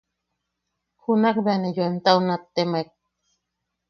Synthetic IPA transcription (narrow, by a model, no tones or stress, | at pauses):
xunakbeanejuent̪aunat̪ːemek̚